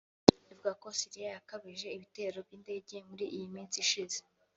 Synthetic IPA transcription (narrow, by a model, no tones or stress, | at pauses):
ivuɡako̞siɾijajakaβiʒe̞iβite̞ːɾo̞bɟiːnde̞ːɟemuɾiʔijimiːnsiʃize